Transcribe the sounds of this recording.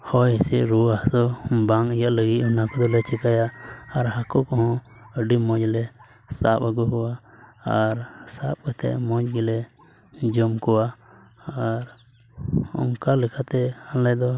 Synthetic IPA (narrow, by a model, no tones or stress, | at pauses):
hɔjɛsɛʔɾuahsɔbaŋijaʔləɡiʔ̚hunakɔd̪ɔlɛt͡ʃɛkajaʔːɾhakɔkɔhɔ̃ | əɖimɔ̃d͡ʒlɛ | sa̰p̚əɡɔkɔwaaɾsap̚kɔt̪ɛ̰ʔmɔ̃d͡ʒɡilɛ | d͡ʒɔmkɔwa | aɾ | ɔ̰ŋkalɛkʰat̪ɛalɛd̪ɔ